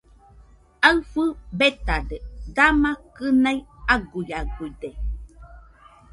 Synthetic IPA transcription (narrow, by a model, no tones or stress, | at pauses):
aɨfɯbet̪aded̪amakɨnajaɡujaɡuide